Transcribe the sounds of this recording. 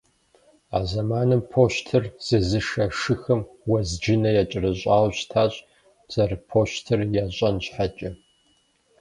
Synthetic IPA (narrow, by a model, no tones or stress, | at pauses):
a̰ːzɐmaːnɨmpʰoːɕtʰɨrz̥ɨzɨʃɐʂɨxɐmwɐzd͡ʒɪnɐjat͡ʃʼɪrɐɕʼaːwɕtʰaːɕʼ | z̥ɐrpʰoːɕtʰɨrjaɕʼɐnɕħat͡ʃʼɐ